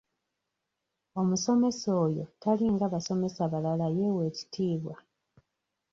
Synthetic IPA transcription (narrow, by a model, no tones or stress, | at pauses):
o̞muso̞me̞so̞ːjo̞̰taliŋɡaβaso̞me̞saβalalaje̞we̞ːci̥tʰiːβwa